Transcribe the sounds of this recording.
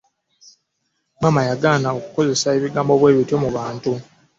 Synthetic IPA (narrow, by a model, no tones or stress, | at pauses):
mwaːmajaɡaːnaokuko̞ze̞sae̞βiɡaːmbo̞βwe̞ːβitjo̞muβaːntu